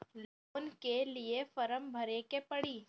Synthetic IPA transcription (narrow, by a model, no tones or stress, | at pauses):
loːnkeliefəɾəmbʱəɾekepəɽiː